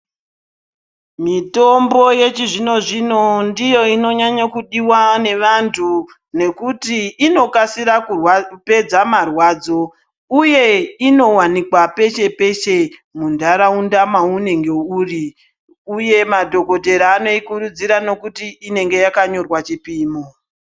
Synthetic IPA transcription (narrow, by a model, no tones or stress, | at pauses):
mito̞mbo̞je̞t͡ʃiʐino̞ʐino̞ndijo̞ino̞ɲaɲakuɗiwane̞ʋantʰu | ne̞kutiːno̞kasiɾakuwpe̞d͡zamarwaːd͡zo̞ | uje̞ino̞wanikwape̞ʃe̞pe̞ʃe̞mundʱaɾaundamaune̞ŋɡe̞uːri | uje̞madʱo̞ko̞te̞ɾaːno̞ikuɾud͡ziɾano̞kutiːne̞ŋɡe̞jakaɲo̞rwat͡ʃipiːmo